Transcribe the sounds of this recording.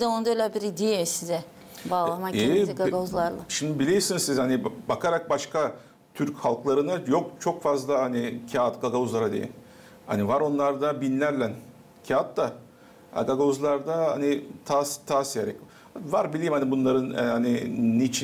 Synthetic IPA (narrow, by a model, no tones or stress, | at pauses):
bd̪ɛonud̪alʲɛbiɾid̪ijesizɛ | baːlˠamaɛɡaɡazlˠaɾlˠaʃimd̪ibilʲejimsinizsizhanibakʰaɾak̚baʃka | t̪ʰyɾchalˠklˠaɾɯnajokt͡ʃʰo̞kfazlˠahanicʰat̪ɡaɡauzlˠaɾad̪ḛj̰n | ha̰nivaɾo̞nlˠaɾd̪abinlʲæɾlʲæn | cʰaat̪d̪a | a̰ɡaɡauzlˠaɾd̪aha̰nit̪ʰaːst̪ʰaːsijeɾɛ̰c | vaɾbilʲejːmhanibunlˠaɾɯnɛ̰haniːit͡ʃʰ